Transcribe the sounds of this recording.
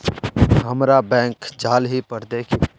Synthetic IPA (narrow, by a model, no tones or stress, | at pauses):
ɦəmɾabɛ̃ːŋkd͡ʒaːlɦipəɾd̪eːkʰi